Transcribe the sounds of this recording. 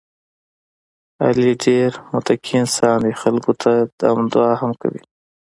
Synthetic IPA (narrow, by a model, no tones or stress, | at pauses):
a̰liɖeɾmʊt̪akʰinsɑnd̪ixalkot̪ʰad̪̥a̰md̪ʊɑːhamka̰wḭ